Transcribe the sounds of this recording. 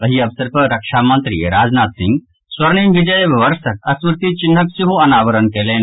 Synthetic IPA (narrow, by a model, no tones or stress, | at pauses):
ɐɦiːɐʋsɐɾpɐɾɐkʂaːmɐ̃nt̪ɾḭːeɾaːd͡znaːt̪sɪ̃ŋɡ | swɐɾɳiːmʋid͡ʒɐjʋʋɐɾsɐk̚ɐsmɾɪt̪it͡ʃinːɐksiɦuɐnaːʋəɾənkelẽːn